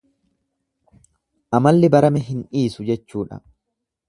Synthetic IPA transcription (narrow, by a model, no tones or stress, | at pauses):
ʔɐmɐlːɪbɐɾɐmɛɦɪnᶑiːsʊd͡ʒɛt͡ʃːuːᶑɐ̰